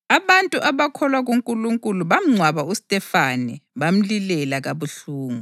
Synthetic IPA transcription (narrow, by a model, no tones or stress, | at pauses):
aβantʼuʔaβakʰɔlwaɣuŋkʼuluŋkʼuluβam̩ŋ͡ǀʱwaβaustʼɛfaniβam̩lilɛlaɣaβuɬuːŋu